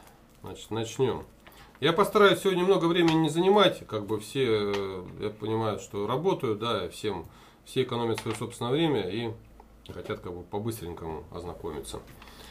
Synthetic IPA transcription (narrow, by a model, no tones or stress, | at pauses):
zna̰t͡ɕɪ̥t̪nɐt͡ɕnʲo̞m | japəst̪ɐɾajʊsʲɪvo̞dʲnʲəmno̞ɡəvɾʲemʲɪnʲɪnʲɪzənʲɪmatʲkaɡ̚bɨfsʲe̞ | ja̰pənʲɪmajʊʂt̪o̞ɾɐbo̞t̪əjʊd̪aifsʲe̞m | fsʲeɪkɐno̞mʲɪət̪svəɐjoso̞psʲnəjəvɾʲemʲəi | xɐtʲat̪kaɡ̚bɨpɐbɨst̪ɾʲɪŋʲkəmʊ̰ɐ̰znɐko̞mʲɪt̪sə̰